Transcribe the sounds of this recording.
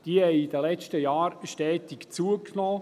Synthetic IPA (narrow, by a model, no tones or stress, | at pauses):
d̥iəhɛɪid̪əlɛt͡ʃtəjɑːɾʃtɛːt̪ikt͡suəknɔː